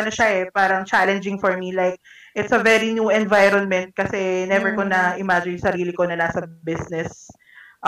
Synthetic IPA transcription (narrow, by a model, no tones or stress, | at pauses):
nɐʃɐɛpaːɾɐŋt͡ʃalɛnd͡ʒɪ̃ŋfɔɹmilajk̚ | ʔɪt̪sɐvɛɾinjuɛ̃nvajɾɔnmɛ̃nt̪̚kɐsɛnɛvɛɹkonɐʔɪmad͡ʒɪnsɐɾiːlɪkonɐnasɐbɪsnɛs | ʔ